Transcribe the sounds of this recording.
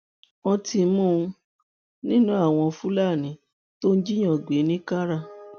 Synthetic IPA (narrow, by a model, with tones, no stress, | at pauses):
ɔ̃˧ti˧mũ˦˧ | nĩ˦nũ˦a˦˨w̃ɔ̃˧fũ˦la˦˨nĩ˨˦ | to˦n̩˦d͡ʒi˦j̃ɔ̃˦˨ɡ͡be˨˦nĩ˦ka˦ɾa˦˨